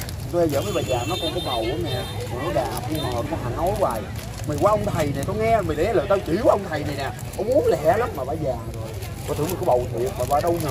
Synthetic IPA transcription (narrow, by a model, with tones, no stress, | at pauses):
t̪o˧ɛ˧zə̰ː˧˦mə˨˦ɓaː˨˩jzaː˨˩ŋnɔ˨˦kɔ˧˩nkɔ˨˧˦ɓə˨˩wʔa˨˦nɛ˨˩˨ | mɔ˨˩nɔ˨˦ɗaː˨˩p̚ə˧məː˨˩nkɔ˧nha˨˩nɔ˨˦jwa̰ː˨˩j | mi˨˩kwaː˧ʔə˧wŋ͡mt̪ʰə˨˩jnɛ˨˩t̪o˧jŋɛ˧mi˨˩ɗe˨˦˧ləː˨˩t̪o˧wt͡ɕḭ˧˩˦wʔə˧wŋ͡mt̪ʰə˨˩jnɛ˨˩jnɛ̰˨ | ʔ̪ɔ˧˦mu˨˦ənlɛ˧˩˦lə˦˥mmaː˨˩vaː˧˩zaː˨˩ŋzo˨˩j | ɔ˨˧˩t̪ʰmə˨˩kɔ˨˦ɓə˨˩wt̪ʰi˨˩ək̚maː˨˩vaː˧˩ɗə˧w